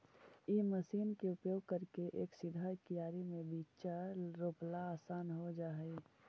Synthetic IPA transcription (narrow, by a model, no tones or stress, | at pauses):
iməsiːnkeʊpjoːɡ̚kəɾkeʔeːksɪd̪ʱakijaːɾimẽbiːt͡ʃaɾoːplaaːsaːnɦod͡ʒaːɦi